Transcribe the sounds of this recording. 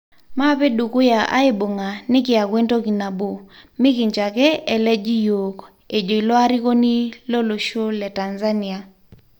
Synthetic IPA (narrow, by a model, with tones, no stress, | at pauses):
ma˦pe˦du˨kʊ˦ja˨ʔa̰˦ɪ˦bo˨ŋa˨nɪ˦kɪ˨a˨ɡwe˦nto˦ki˨na˨bo˨mɪ˦kɪ˨ɲt͡ʃa˨kɛ˦ɛ˨lɛ˦d͡ʒi˦jo˨k | e˨d͡ʒo˨i˨lɔ˦a˦ɾi˦ko˦ni˦lo˦lo˨ʃo˦lɛ˨ta˨nza˦ni˨a˨